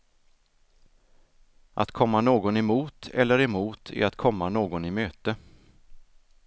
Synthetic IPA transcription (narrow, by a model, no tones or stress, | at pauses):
ʔa̰t̪kʰɔmːanoːɡɔnɛmuːt̪ʰɛlːəɾɛmuːt̪ʰæ̰ɾat̪kʰɔmːanoːɡɔnɪmøːt̪ə